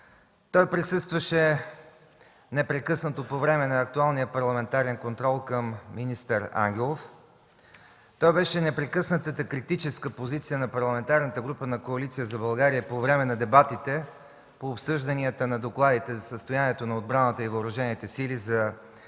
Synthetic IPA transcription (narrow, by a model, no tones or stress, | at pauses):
t̪ɔjpɾisɤst̪vəʃɛ | nɛpɾɛkɤsnət̪opovɾɛmɛnɐːk̚t̪ualˠnijəpɐɾlˠɐmɛnt̪aɾɛnkont̪ɾɔlˠkəmːinist̪əɾa̰ŋɡ̟ʲɛlˠof | t̪ɔjbɛʃɛnɛpɾɛkɤsnət̪ət̪əkɾit̪it͡ʃɛskəpozit̪sijənɐpɐɾlˠɐmɛnt̪aɾnət̪əɡɾupənɐkoɐlit̪sijəzɐbɐlˠɡaɾijəpovɾɛmɛnɐd̪ɛbat̪it̪ɛ | poːpsɤʒd̪ɐniət̪ənɐd̪oklˠad̪it̪ɛzɐsəst̪ojaniɛt̪onɐod̪̚bɾanət̪əivəːɾɐʒɛnit̪ɛsilizɐ